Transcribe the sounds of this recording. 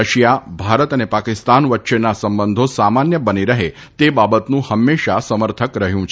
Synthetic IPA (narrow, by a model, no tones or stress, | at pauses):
əʃjabʱaɾət̪ənepakɪst̪anʋətːʃenasəmbənd̪ʱosamanjəbəniɾəɦe | t̪ebabət̪nũhəmːeʃasəməɾt̪ʰəkɾəɦjũt͡ʃʰ